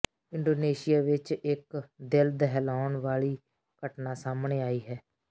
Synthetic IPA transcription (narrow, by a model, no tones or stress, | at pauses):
ɪ̃ɳɖoːneːʃɪjaːʋɪt͡ʃɪkd̪ɪld̪əɦlaːɳʋaːɭiː | kəʈnaːsaːmɳeːaːiːɦɛː